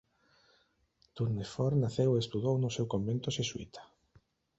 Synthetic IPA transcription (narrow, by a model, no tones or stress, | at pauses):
t̪uɾnefɔɾnaθeweːst̪uðownʊsewkombent̪oseswḭt̪ʰḁ